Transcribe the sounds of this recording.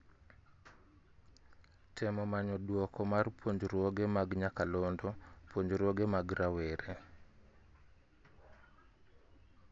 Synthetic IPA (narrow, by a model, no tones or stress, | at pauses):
tʰɛmɔmaɲɔdwɔkɔmarpwoɲd͡ʒɾwɔɡemaɡɲakalondɔpwoɲd͡ʒɾwɔɡemaɡɾaweɾe